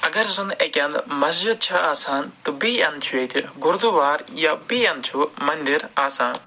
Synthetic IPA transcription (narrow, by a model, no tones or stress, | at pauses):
ɐɡɐɾzɐnekʲɐnd̪mɐsd͡ʒid̪̚t͡ʃʰaaːsaːnt̪ɨbiɐnt͡ʃʰuet̪ʰiɡʊɾd̪uʋaːɾjabiːɐnd̪t͡ʃʰumɐnd̪iɾaːsaːn